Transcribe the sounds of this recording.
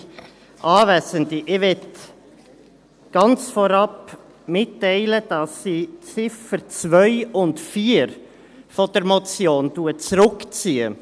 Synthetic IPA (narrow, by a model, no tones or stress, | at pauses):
ʔɑːvɛsəndiʔɪʋɛt | ɡ̥ɑnt͡sfɔɾɑp | mɪtːɛɪləd̥ɑsːiːt͡sɪfəɾt͡svœʏʊntfiːɾ | fɔd̥əɾmɔt͡sjoːntuət͡sɾʊkt͡siːə̰